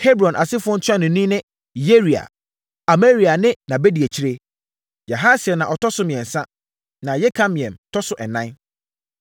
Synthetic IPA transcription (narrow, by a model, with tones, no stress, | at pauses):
he˦bɾɔ̃˨nʔa˨sɪ˦fʊ˦ɔ̃˦n̩˦tʰʊ˦a˦nʊ̃˨nĩ˦nɪ̃˦ | je˦ɾi˨a̰˨ | a˨me˦ɾi˨a˨nɪ̃˦nã˨be˦di˨a˨t͡ɕʰi˦ɾe˦ | ja˨ɦa˦sɪ˨ɛ˨nã˨ʔɔ˨tʰɔ˦sʊ˦mĩ˨ɛ̃˨n˨sã˦ | nã˨jɛ˦kʰa˦mĩ˨ɛ̃˨mtʰɔ˦sʊ˦ʔɛ˨nã˦n